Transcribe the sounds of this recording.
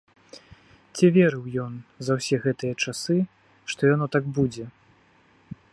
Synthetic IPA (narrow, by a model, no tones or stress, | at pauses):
t͡sʲivʲeɾɨwjɔnzɐwsʲɛɣɛt̪ɨjɐt͡ʂasɨ | ʂt̪ɔjanɔt̪aɡbud͡zʲɛ